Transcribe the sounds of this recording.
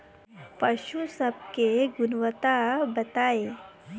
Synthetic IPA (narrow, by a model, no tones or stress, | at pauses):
pɐʃusəb̚keɡʊnʋət̪abɐt̪aːe